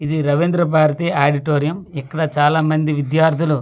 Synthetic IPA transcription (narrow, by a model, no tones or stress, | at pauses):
id̪iɾɐʋend̪ɾɐp̬aːɾɐt̪iaːɽiʈoːɾijɐmikːɐɽɐt͡ʃaːlaːmɐnd̪iʋid̪jaːɾt̪ʰulu